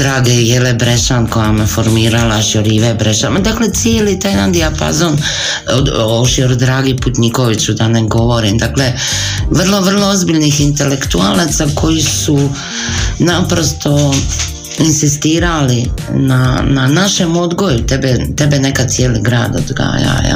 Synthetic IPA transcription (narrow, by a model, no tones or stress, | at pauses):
d̪ɾaːɡejelebɾeʃanko̞jamefo̞ɾmiːɾalaʃjoɾiʋebɾeʃanmad̪akle̞t̪sijeːlit̪ajnand̪iapa̰zon | oʃjoɾd̪ɾaːɡiput̪ɲikoʋit͡ɕud̪aneɡo̞ʋo̞ɾimd̪aːkle | ʋrlˠo̞ʋr̩lˠoozbiʎnixint̪e̞le̞kt̪ualat̪sakʰo̞jisu | napɾo̞st̪o̞ | insist̪iːɾalinananaʃemo̞d̪ɡo̞jut̪ebet̪e̞benekat̪ijeːliɡɾaːd̪o̰d̪ɡa̰ːja̰ja̰